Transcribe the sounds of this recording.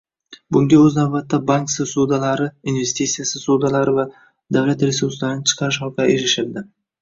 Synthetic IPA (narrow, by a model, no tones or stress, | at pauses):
bʊŋɡʲaɵznawbat̪ːabaŋksɪsud̪alaɾɪinve̞st̪it̪sijasɪsud̪alaɾɪva | d̪avlat̪ɾe̞suɾslaɾɪnɪt͡ʃʰɨ̥qʰɑɾɪʃɒkʰɑeɾɪʃɪɾd̪ɪ